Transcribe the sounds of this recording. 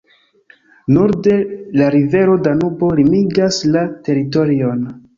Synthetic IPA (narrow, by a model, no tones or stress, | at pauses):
nuɾde̞laɾive̞ɾo̞danubo̞limiɡaslate̞ɾito̞ɾio̞n